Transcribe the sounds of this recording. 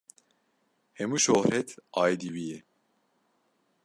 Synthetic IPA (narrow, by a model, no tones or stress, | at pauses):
hemuʃohɾɛt̪ʰajd̪iwijɛ